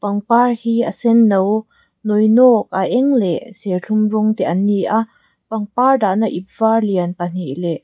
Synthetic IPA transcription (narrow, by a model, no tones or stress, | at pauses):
pɐŋparhiːəsɛnːow | nɔjnɔːk̚ʔaʔɛŋlɛʔsɛɬʰumrʊŋt̪ɛʔaniʔʔa | pɐŋpaːrdaʔnaʔip̚varliənpan̥iʔlɛʔ